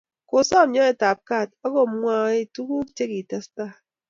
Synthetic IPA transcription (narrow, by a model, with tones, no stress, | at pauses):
ko˨sɔ˦˨˦ɲɔ˦e˨ta˨p̚ka˦˨t̚ɔ˦ɡo˨m˦ŋʷa˦˨˦e˦tu˦ku˦t͡ʃe˦ki˨ta˦sta˦